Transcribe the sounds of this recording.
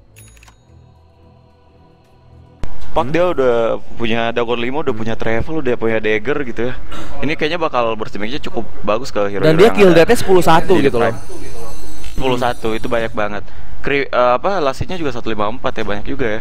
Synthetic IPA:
pak̚diaudahpuɲadaɡɔnlimaudahpuɲat̪ɾefəludapuɲadeɡərɡit̪ujainikajaɲabakalbərsimikɲat͡ʃukʊp̚baɡʊskəɦiɾdandiakildət̪̚ɲasə̥pulusat̪uɡit̪ulɔ | ssə̥pulusat̪uit̪ubaɲak̚baŋət̪̚kɾi | əːapalasiɲad͡ʒuɡasat̪ulimaəmpat̪jabaɲak̚d͡ʒuɡaja

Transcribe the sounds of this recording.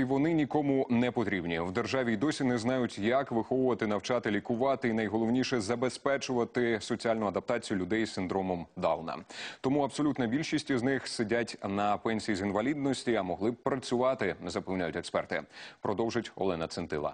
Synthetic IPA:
iʋɔnɪnʲikɔmʊnɛpɔt̪ɾʲibnʲiwd̪erʒɑʋʲid̪ɔsʲinɛznɑjʊtʲjɐkʋɪxɔʋʊʋɐt̪ɪnɐwt͡ʃɑt̪ɪlʲikʊʋɑt̪ɪinɐjɦɔlˠɔwnʲiʃɛzɐbespɛt͡ʃʊʋɐt̪ɪsɔt͡sʲialʲnʊɐd̪ɐp̚t̪ɑt͡sʲijʊlʲʊd̪ɛjsɪnd̪ɾɔmɔmd̪ɑlˠnɐ̰t̪ɔmuɐbsɔlʲut̪nɐbʲilʲʃisʲtʲiznɪxsɪdʲatʲnɐpɛnʲsʲijizinʋɐlʲid̪̚nɔsʲtʲiɐmɔɦlˠɪbpɾɐt͡sʲʊʋɑt̪ɪnɛzɐpɛwnʲajʊtʲɛkspɛrt̪ɪ̰pɾɔd̪ɔwʒɪtʲɔ̰lˠɛnɐt̪sɛnt̪ɪ̰lˠɐ̰

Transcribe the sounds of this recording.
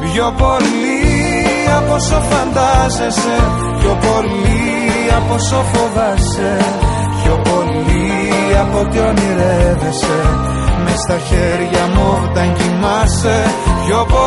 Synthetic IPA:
pço̞po̞l | i | ɐpo̞so̞fɐnd̪ɐzese̞ | pço̞po̞li | ɐpo̞so̞fovɐs | e̞ | pço̞po̞li | ɐpo̞t̪eoniɾevese̞ | mest̪ɐçe̞ɾʝɐmot̪ɐɲcimɐse̞pço̞po

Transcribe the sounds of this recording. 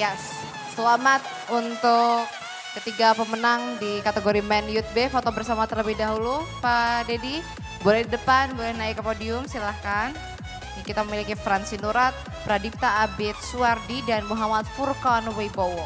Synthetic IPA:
jas | səlamat̪̚ | unt̪ʊkː | ət̪iɡapəmənaŋdikat̪əɡoɾimɛnjut̪̚befot̪obərsamat̪ərləbɪhdaɦulupadedi | bolɛhdidəpanbolɛhnaɪkːəpodiʊmsilahkan | akit̪aməmilikifɾansinuɾat̪̚ | bəɾadip̚t̪aːbɪt̪̚suardidanmuɦamat̪̚furkɔnwejbowo

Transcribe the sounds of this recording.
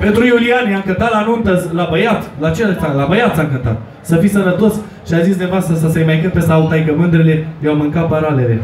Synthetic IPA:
pet̪ɾujulianiaŋkənt̪alanunt̪əzlabəjat̪lat͡ʃelt̪alabəjat̪saŋkənt̪a̰t̪ | səfisəɾət̪os | ʃiazis̬d̪evoast̪ɾəs̬əsəjmajkɨt̪̚pesaut̪ajkəmɨnd̪ɾele̞lewamɨŋkapəɾalelḛ

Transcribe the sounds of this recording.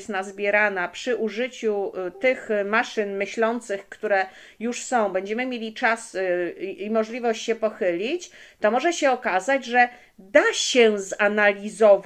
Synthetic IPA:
st̪nazbʲjɛɾanapʂɘʔuʐɘt͡ɕut̪ɘxmaʂɘnmɘɕlɔnt̪sɘxkt̪uɾɛ | juʂsɔ̃w̃bɛɲd͡ʑɛmɘmʲjelʲit͡ʂas | imɔʐlʲivɔɕt͡ɕɕɛpɔxɘlʲit͡ɕt̪ɔmɔʐɛɕɛɔkazad͡ʑʐɛ | d̪aɕɛzanalʲizɔv

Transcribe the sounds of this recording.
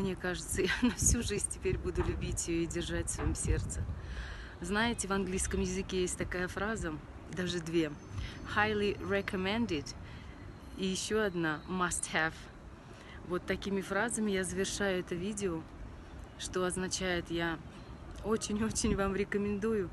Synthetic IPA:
mnʲekaʐɨt̪səjanɐfsʲuʐɨzʲnʲtʲɪ̥pʲeɾʲbud̪ʊlʲʉbʲitʲjɪjoɪdʲɪrʐatʲsvɐjimsʲe̞rt̪sɨ | znajɪtʲɪvɐnɡlʲijskəmjɪzɨkʲejesʲtʲt̪ɐkajəfɾazə | d̪aʐɨd̪vʲe | xajlʲˠiɾɛkəmʲɛ̃nd̪ɪd̪ | ijɪɕːo̞ɐd̪namɐst̪hɛv | vo̞t̪ːɐkʲimʲɪfɾazəmʲɪjazəvʲɪrʂajʊɛt̪əvʲidʲɪo | ʂt̪o̞ɐznɐt͡ɕæjɪt̪ja | o̞t͡ɕɪnʲo̞t͡ɕɪnʲvamɾʲɪkəmʲɪnd̪ujʊ

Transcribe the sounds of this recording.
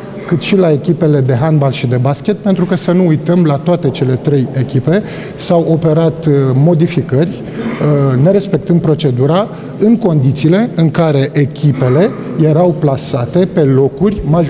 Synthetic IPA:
kɨt̪ʃilae̞kʲipe̞le̞d̪e̞ɦanbalʃid̪e̞baskʲe̞t̪̚pe̞nt̪ɾukəsənuujt̪əmlat̪oat̪e̞t͡ʃe̞le̞t̪ɾe̞je̞kʲipe̞ | sawo̞pe̞ɾat̪mo̞d̪ifikərʲ | ne̞ɾe̞spe̞k̚t̪ɨnd̪̚pɾo̞t͡ʃe̞d̪uɾa | ɨŋko̞nd̪it̪siːle̞ɨŋkaɾe̞ʔekʲipe̞le̞ | je̞ɾawplasat̪e̞pe̞lo̞kurʲmaʒ

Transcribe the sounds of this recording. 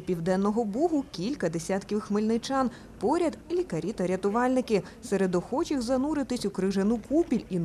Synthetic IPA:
pʲiwd̪ɛnːɔɦɔbuɦʊkʲilʲkɐd̪esʲat̪kʲiʋxmɪlʲnɪt͡ʃɑn | pɔɾʲɐd̪lʲikɐɾʲit̪ɐɾʲɐt̪ʊʋɑlʲnɪkɪ | seɾed̪ɔxɔt͡ʃixzɐnuɾɪt̪ɪsʲʊkɾɪʒɐnukupʲilʲin

